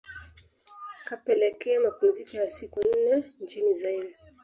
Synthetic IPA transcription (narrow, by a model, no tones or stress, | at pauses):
kapɛlɛkɛamapunzikɔjasikun̩nɛnt͡ʃinizaila